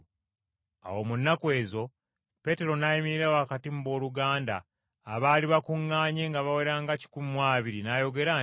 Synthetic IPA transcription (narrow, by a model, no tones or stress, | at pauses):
a̰wo̞munːakwe̞ːzo̞ | pe̞te̞ɾo̞najimiɾiɾawoakatimubo̞ːluɡaːnda̰ː | βaːliβakuŋːaːɲe̞ŋɡaβawe̞ɾaːŋɡaci̥kumumwaːβiɾinajo̞ɡe̞ɾa